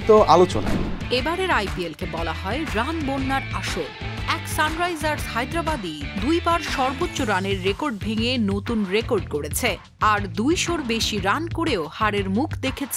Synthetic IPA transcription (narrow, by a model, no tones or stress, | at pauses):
t̪oʔalot͡ɕo̰na̰ebaɾeɾajpielkebɔlaɦɔeɾanbonːaɾaʃolɛksanɾajzaɾhajd̪ɾabad̪id̪ujbaɾʃɔɾbotːɕoɾaneɾːekoɾɖbʱeŋenot̪unɾekoɾɖkoɽet͡ɕʰe | aɾd̪ujʃoɾbeʃiɾankoɽeohaɾeɾmukʰd̪ekʰet͡ɕʰ